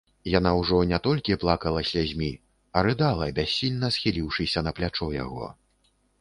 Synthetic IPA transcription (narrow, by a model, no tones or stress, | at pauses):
janawʐɔnʲat̪ɔlʲkʲiplˠakɐlˠɐsʲlʲazʲmʲi | ɐɾɨd̪alˠɐbʲasʲːilʲnɐsxʲilʲiwʂɨsʲɐnɐplʲat͡ʂɔja̰ɣɔ̰